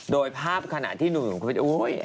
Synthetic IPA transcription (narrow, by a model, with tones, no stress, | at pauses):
doː˧jpʰaː˥˩p̚kʰa˧na̰˧ʔt̪ʰiː˥˩nu˨˩ŋnu˨˩˦kʰːp̪ʰːʔu˦j